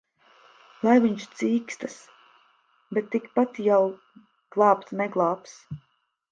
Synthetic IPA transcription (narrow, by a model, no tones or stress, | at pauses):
lˠajviɲʃt̪siːkst̪as | bet̪ːikpat̪jaw | ɡ̥lˠɑːpt̪smɛɡlˠɑːps